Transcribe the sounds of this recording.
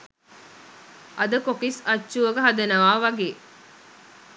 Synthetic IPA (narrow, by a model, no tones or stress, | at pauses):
ʔɐd̪əkokisɐt͡ʃːuʋɐɡəɦɐd̪ɐnɐʋaːʋɐɡeː